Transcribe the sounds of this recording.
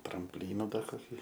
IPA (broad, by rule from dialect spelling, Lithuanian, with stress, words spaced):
trɐmʲpʲˈlʲiːnʊ ˈdɐr koːˈkʲiː